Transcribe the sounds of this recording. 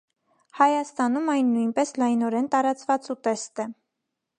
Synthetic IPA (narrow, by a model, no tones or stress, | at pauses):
hɑjɑst̪ɑnumɑjnːujnpɛslɑjnɔɾɛnt̪ɑɾɑt͡svɑt͡sut̪ɛst̪ɛ